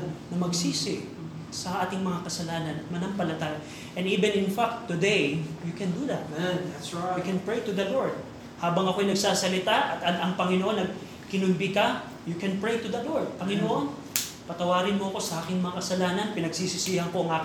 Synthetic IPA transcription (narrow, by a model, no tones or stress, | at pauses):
nɐmɐɡsiːsɪ | sɐʔaːt̪ɪŋmɐŋakɐsɐlaːnɐnɐmɐnɐmpɐlɐt̪aːjɐ | ʔɛnd̪iːbɛ̃nɪnfak̚t̪ːʊd̪ejjukɛnd̪ud̪ɐt̪ | jʊkɛnpɹejt̪ʊd̪ɐloɹd̪̚ | haːbɐŋɐko̞jnɐɡsaːsɐlɪt̪aʔɐt̪ʔɐd̪ɐŋpɐŋɪnoʔo̞nːɐɡ̚ | kɪnʊnbikɐ | jukɛnpɹejt̪ud̪ɐloɹd̪̚pɐŋɪnoʔon | pɐt̪ɐwaːɾɪnmo̞ɐko̞sɐʔaːkɪŋmɐŋakɐsɐlaːnɐnpɪnɐɡsisɪsiːhɐŋko̞ɐŋʔaːk